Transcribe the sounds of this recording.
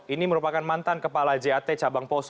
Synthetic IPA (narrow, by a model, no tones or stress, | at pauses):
iniməɾupakanmant̪ankəpalad͡ʒeat̪et͡ʃabaŋpɔs